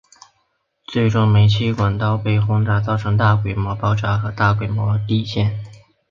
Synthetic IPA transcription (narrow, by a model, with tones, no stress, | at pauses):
t͡swe˥˩ɪʈ͡ʂʊ˥ŋme˨˧˥ɪt͡ɕʰi˥kwa˨˩nt̪ɑ˥˧ʊpe˥˩ɪxʊ˥ŋt̪a˧˥t͡sɑ˥˩ʊʈ͡ʂʰɤ˧˥ŋt̪a˥˩kwe˥˩ɪmwɔ˧˥pɑ˥ʊʈ͡ʂa˧˥xɤ˧˥t̪a˥˩kwe˥˩ɪmwɔ˧˥t̪i˥˧ɕjɛ˥˩n